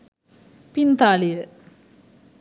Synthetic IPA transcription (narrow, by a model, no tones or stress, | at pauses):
pint̪aːlijə